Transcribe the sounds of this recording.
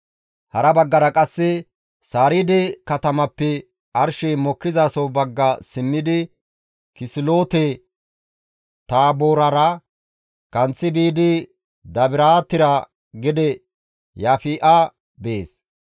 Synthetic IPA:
hɐɾɐbɐɡːɐɾɐkʼɐsːɪ | saːɾɪd̪ɛkɐt̪ɐmɐpːɛ | ʔɐɾʃɛmɔkːɪzaːsɔwbɐɡːɐsɪmːɪd̪ɪ | kɪsɪloːt̪ɛ | t̪aːboːɾɐɾɐ | kɐnt͡sːɪbiːd̪ɪ | d̪ɐbɪɾaːt̪ːɪɾɐ | ɡɪd̪ɛ | jaːfiːʔa | beːs

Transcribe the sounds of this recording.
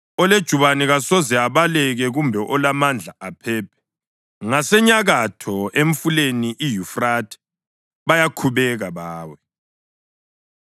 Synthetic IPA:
ɔled̥ʒ̥ʱuβanɛɣasɔzɛaβalɛɣɛɣumbʱɛʔɔlamand͡ɮʱaapʰɛːpʰɛ̥ | ŋasɛɲaɣatʰɔeɱ̩fuleniʔijufratʰʼɛ̥ | βajakʰuβɛɣaβaːwɛ

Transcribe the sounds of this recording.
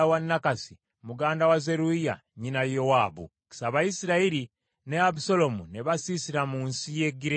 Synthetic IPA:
wanːakasi | muɡaːndawaze̞ɾuija̰ | ɲinajo̞waːβṵ | ki̥saβajisiɾaiɾi | neabuso̞lo̞muneβasisiɾamuːnsije̞ɡiɾe

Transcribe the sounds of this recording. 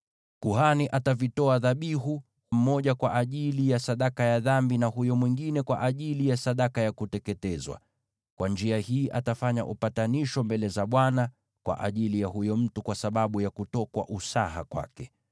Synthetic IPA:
kuhaniʔatavitɔaðaɓiɦu | hum̩mɔʄakwaʔaʄilijasaɗakajaðambinahujɔmwiŋɡinɛkwa̰ʔaʄilijasaɗakajakutɛkɛtɛzwa̰ | kwʔand͡ʒiahiːʔatafaɲa̰ʔupataniʃɔmbɛlɛzaɓwana | kwa̰ʔa̰ʄilijahujɔm̩tukwasaɓaɓujakutɔkwa̰ʔusaɦa̰kwa̰kɛ

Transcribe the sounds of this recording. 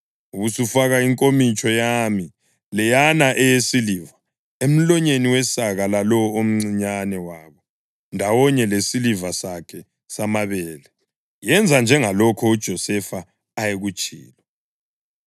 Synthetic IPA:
uβusufaɣaiŋkʼomit͡ʃʰʼɔjami | lɛjanaʔɛjesiliva | em̩lɔɲeniwɛsaɣalalɔom̩ŋ͡ǀiɲanɛwaːβɔ | ndʱawɔɲɛlesilivasakʰɛ | samaβɛːlɛ | jɛnd͡zʱand͡ʒʱɛŋalɔkʰɔud̥ʒ̥ʱɔsɛfaː | jeɣut͡ʃʼḭːlɔ

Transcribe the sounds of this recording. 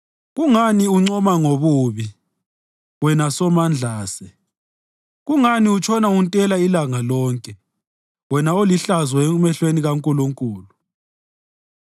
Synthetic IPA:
ɣuŋaniuŋ͡ǀɔmaŋoβuːβi | wɛnasɔmand͡ɮʱaːsɛ | ɣuŋaniut͡ʃʰɔnauntʼɛlailaŋalɔːŋkʼɛ | wɛnaoliɬazwɔɛumɛɬweniɣaŋkʼuluŋkʼuːlu

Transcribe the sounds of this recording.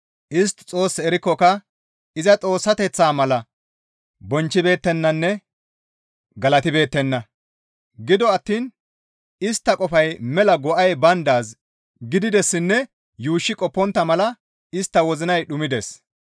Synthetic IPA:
ʔɪs̬t̪ːt͡sʼo̞ːsːɛɾɪkːɔkɐ | ɪzɐt͡sʼo̞ːsːɐt̪ɛt͡sːaːmɐlɐ | bɔnt͡ʃːɪbe̞ːt̪ːɛnːɐnːɛ | ɡɐlɐt̪ɪbe̞ːt̪ːɛnːɐ | ɡɪd̪ɔɐt̪ːiːn | ɪst̪ːɐkʼɔfɐjmɛlɐɡɔʔɐjbɐnd̪aːs | ɡɪd̪ɪd̪ɛsːɪnːɛ | juːʃːɪkʼɔpːɔnt̪ːɐmɐlɐ | ɪst̪ːɐwɔzɪnɐjɗʊmɪd̪ɛs

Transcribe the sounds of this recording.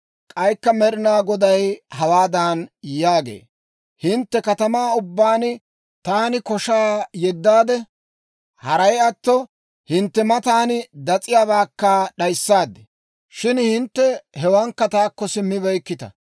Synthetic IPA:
kʼɐjkːɐmɛɾɪnaːɡɔd̪ɐjhɐwaːd̪aːnjaːɡḛː | hɪnt̪ːɛkɐt̪ɐmaːʊbːaːnɪ | t̪aːnɪkɔʃaːjɛd̪ːaːd̪ɛ | hɐɾɐjɐt̪ːɔ | hɪnt̪ːɛmɐt̪aːnɪd̪ɐt͡sʼɪjaːβaːkːaɗɐjsːaːd̪ɛ̥ | ʃɪnhɪnt̪ːɛhɛwɐŋkːɐt̪aːkːɔsɪmːɪβɛjkːɪt̪ɐ̰

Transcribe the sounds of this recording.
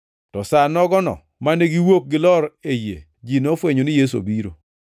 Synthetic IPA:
tɔsanɔɡɔnɔ̰ | maneɡiwok̚ɡɪlɔɾejḛ | d͡ʒinɔfweɲonɪjes̬o̰biɾo̰

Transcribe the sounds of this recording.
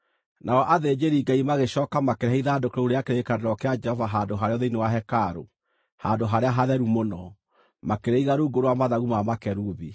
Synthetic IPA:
naɔʔaðed͡ʒeɾiːɡaimaɣeɕɔːkamakeɾeaiðadokeɾouɾeakeɾeekadeɾɔkead͡ʒɛhɔvaɦadoɦaɾeɔðeinewaɦɛkaɾo | handoɦaɾeaɦaðɛɾumonɔ | makeɾeiɣaɾoɡoɾoamaðaɣumamakɛɾuβi

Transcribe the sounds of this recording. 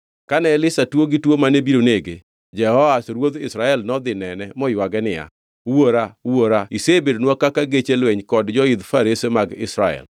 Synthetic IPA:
kanɛlɪsatwoɡɪtwomanebiɾoneɡe | d͡ʒɛhɔasɾwod̪ɪsɾaɛlnɔd̪ɪnɛnɛmɔjwaɡɛnɪja̰ | woɾawoɾaisebedonwakakaɡet͡ʃelweɲkɔdd͡ʒɔɪd̪faɾesemaɡɪ̰sɾaɛ̰l

